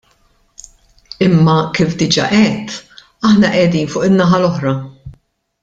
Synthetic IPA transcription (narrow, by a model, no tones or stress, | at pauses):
ɪmːɐkiːfd̪ɪd͡ʒɐ̰ʔɛt̪ː | ɐħnɐʔɛd̪iːnfʊːʔɪnːɐħɐlɔħɾɐ